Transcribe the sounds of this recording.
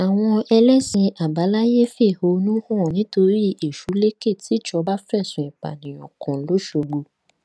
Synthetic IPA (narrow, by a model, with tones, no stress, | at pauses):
a˨w̃ɔ̃˧ɛ˧lɛ˦sĩ˧a˨ba˨˦la˦je˦fe˦˨ho˧˦˧nũ˦fɔ̃˦˨nĩ˨˦to˧ɾi˦e˨ʃu˨˦le˦ke˦˨tʰi˨˦˨t͡ʃɔ˧ba˦fɛ˦˨sũ˨ĩ˨k͡pa̰˨nĩ˨j̃ɔ̰̃˨kʰɔ̃˨˦lo˨˦ʃo˧ɡ͡bo˧